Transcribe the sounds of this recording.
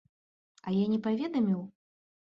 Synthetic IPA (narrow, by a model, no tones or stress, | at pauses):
ɐjanʲɛpavʲɛd̪ɐmʲiw